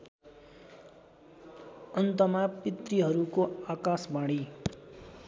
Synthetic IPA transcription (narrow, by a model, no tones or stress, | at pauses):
ʌnt̪ʌmapit̪riɦʌɾukoakasbaɽ̃i